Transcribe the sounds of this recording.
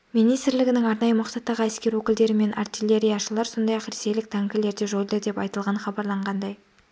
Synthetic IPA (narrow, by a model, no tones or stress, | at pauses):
minijst̪ɪɾlɪɡʲɪnɪŋɑɾnɑjəmʊqsɑt̪ːɑʁəæskʲe̞ɾwɵkʲɪld̪e̞ɾɪme̞nʔɑrt̪ilʲe̞ɾʲijaʃəlˠɑɾso̞nd̪ɑjɑqɾese̞jlɪk̚t̪ʰɑŋkʲɪle̞ɾd̪e̞ʒo̞jd̪əd̪e̞pɑjt̪əlˠʁɑnχɑbɑɾlˠɑɴʁɑnd̪ɑj